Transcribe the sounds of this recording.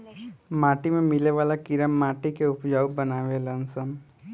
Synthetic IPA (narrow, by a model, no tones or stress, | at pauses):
maːʈimẽmɪleʋaːlakɪɾəmːaːʈikeʊpd͡ʒaːubɐnaːʋelənsəm